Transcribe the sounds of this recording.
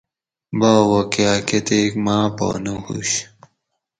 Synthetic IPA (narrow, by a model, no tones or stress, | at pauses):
baːwokjaːket̪ekmaːpo̰nuhṵɕ